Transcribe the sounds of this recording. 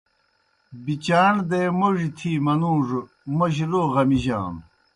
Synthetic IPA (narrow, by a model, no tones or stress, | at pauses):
bit͡ɕaːɳd̪eːmoʐit̪ʰiːmɐnũːʐ | moʑiloːʁɐmiʑa̰ːn